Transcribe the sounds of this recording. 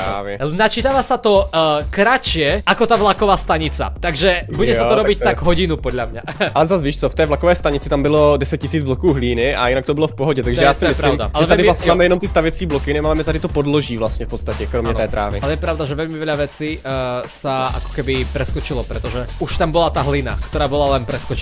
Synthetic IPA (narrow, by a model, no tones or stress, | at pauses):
a̰ːʋɪnat͡ʃit̪aːʋasat̪ɔkɾat͡ʃɪɛakɔt̪avlakɔʋaːst̪aɲit͡sa̰t̪aɡʒɛbuɟɛsaɔɾɔbic̪aɡɦɔɟinupɔd̪ʎamɲaalɛzazviːʃt͡sɔft̪ɛjvlakɔʋɛjst̪aɲit͡sit̪ambilɔdɛsac̚cisiːd͡zblɔkuːɦliːniʔa̰inakt̪obilɔfpɔɦɔɟɛt̪aɡʒɛjaːsɪɔɛisɛpaiʊmd̪a̰alɛadɪmlasɲɛmaːmɛjɛnɔmt̪ist̪aʋjɛt͡skiːblɔkinɪmaːmɛt̪adɪt̪ɔpɔdlɔʒiːvlast̪ɲɛfpɔt̪st̪acɛkɾɔmɲɛt̪ɛːt̪ɾʔa̰ːvḭalɛjɛpɾaʊd̪aʒɛʋɛʎmiʋɛʎaʋɛt͡sisaa̰kɔ̥kɛbipɾɛskɔt͡ʃilɔpɾɛt̪ɔʒɛuʃt̪ambɔlat̪aːɦlina̰kt̪ɔɾaːbɔlalɛnpɾɛskɔt͡ʃ